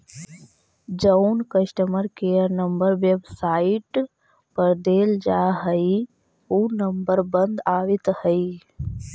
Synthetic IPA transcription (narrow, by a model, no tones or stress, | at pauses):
d͡ʒəwnkəʃʈəməɾkeːjəɾnəmbəɾʋebsaːiʈ | pəɾd̪eːld͡ʒaːɦəi | uːnəmbəɾbənd̪aːʋit̪həi